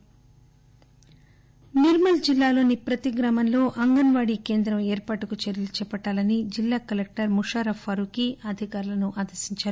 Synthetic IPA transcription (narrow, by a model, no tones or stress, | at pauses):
niɾmɐld͡ʒilːaːlo̞ːnipɾɐt̪iɡɾɐmɐnlo̞ːʔɐŋɡɐnʋaːɽike̞ːnd̪ɾɐmeːɾpaːʈukut͡ʃɐɾjɐlut͡ʃɛːpɐʈːaːlɐnid͡ʒilːaːkɐlek̚ʈɐɾmuʂaːɾɐfʰɐɾukiʔɐd̪ʱikaːɾulɐnuʔaːd̪ɐɾsiɲt͡ʃaːɾu